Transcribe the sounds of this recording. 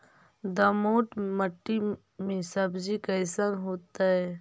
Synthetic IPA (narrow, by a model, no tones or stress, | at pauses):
d̪ɐmoːʈməʈːi | mẽsɐbzikɐɪsanɦoːt̪aɦɛː